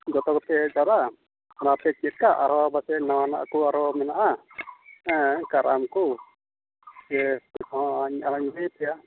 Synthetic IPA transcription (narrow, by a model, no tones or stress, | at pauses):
d͡ʒɔt̪ɔkɔp̪ɛd͡ʒaɾa | anapɛkiɛt̪̚kaʔaɾɔbasɛnawana̰ʔkuaɾɔmɛnaʔa | kaɾa̰mku | sɛɛsɔɦɔ̃ʔaɲaɾaɲmɛjpɛja